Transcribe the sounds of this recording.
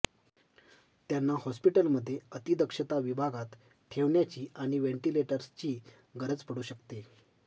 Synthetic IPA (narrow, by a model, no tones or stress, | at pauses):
t̪janːahɔspiʈəlməd̪ʱːjeət̪id̪əkʂət̪aʋibʱaɡat̪ | t̪ʰeʋɳjat͡ɕiːaɽ̃iʋeɳʈileʈəɾst͡ɕiː | ɡəɾəd͡zpəɽuːɕəkt̪e